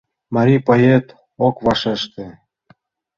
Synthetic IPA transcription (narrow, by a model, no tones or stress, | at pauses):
mɑɾʲipɑjet̪ | okβɑʃeʃt̪ĕ